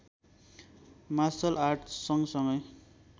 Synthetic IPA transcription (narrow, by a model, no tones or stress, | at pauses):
masʌlʔarʈsʌŋsʌŋɡʌj